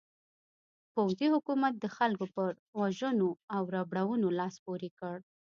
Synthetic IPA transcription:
pawzihʊkumat̪̚d̪əxalkopəɾ | waʒənoawɾabɽawənolɑspoɾikəɽ

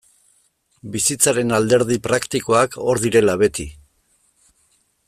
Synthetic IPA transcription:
bisit͡saɾe̞nald̪e̞ɾðipɾakt̪iko̞akʰo̞ɾðiɾe̞laβe̞t̪i

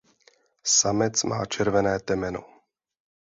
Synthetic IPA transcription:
samɛt͡sma̰ːt͡ʃɛɾvɛnɛːt̪ɛmɛno̰

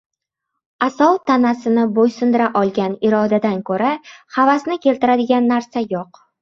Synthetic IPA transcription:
asɒwt̪ʰanasɪnɪbojsʊnd̪ɪɾaʔɒlˠɡʲanɪɾɒd̪ad̪ankʰɵɾahavasnɪkʲe̞lt̪ɪɾad̪ɪɡʲanːaɾsajoq

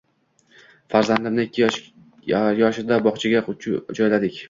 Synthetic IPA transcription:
faɾzand̪ɪmnɪɪkʲʰːɪj | jɒʃɪd̪abɒχt͡ʃʰaɡʲaʊt͡ʃʰd͡ʒɒjlad̪ɪkʲ

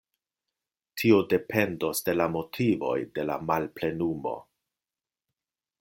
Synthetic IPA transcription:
tʰio̞de̞pʰe̞ndo̞sde̞lamo̞tʰivo̞̰jde̞la̰malple̞numo̞̰

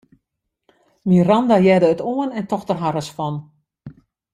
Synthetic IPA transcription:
mirandajɛdəːtoənɛntɔxtərɦaɾəsfɔn

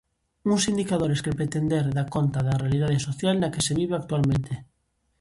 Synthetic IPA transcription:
uŋsind̪ikaðoɾeskepɾet̪end̪eɾðakont̪aðarealiðað̞esoθjalnakeseβiβ̞eak̚t̪ualmẽnt̪e

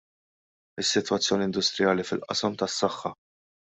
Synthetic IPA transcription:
ɪsːɪt̪wɐt͡sːjɔːniɪnd̪ʊst̪ɾɪjɐːlifɪlʔɐ̰sɐmt̪ɐsːɐxːɐ

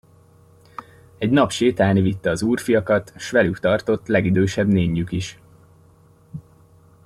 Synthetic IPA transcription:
ɛɟnɒpʃeːt̪aːnivit̪ːɛːzuːrfijɒkɒt̪ʃʋɛlykt̪ɒrt̪o̞t̪ːlɛɡid̪øːʃɛbneːɲːykiʃ

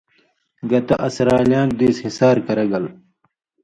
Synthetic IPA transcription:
ɡɐt̪ɐʔɐsɾaːljãːnd̪iːshisaːɾkɐɾɐɡɐl

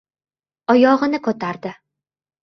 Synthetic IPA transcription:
ɒjɒʁɨnɪkʰot̪ʰaɾd̪ɪ

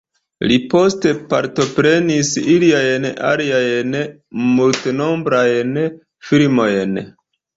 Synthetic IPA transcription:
lipo̞ste̞pa̰ɾto̞pɾe̞nisiliajna̰liajn | multeno̞mbɾajn | filmo̞jn

